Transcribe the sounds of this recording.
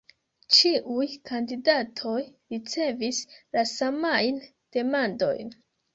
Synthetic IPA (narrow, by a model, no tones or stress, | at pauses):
t͡ʃiʔujkʰandidatʰo̞jɾit͡se̞vislasamajn | d̥e̞mando̞̰jn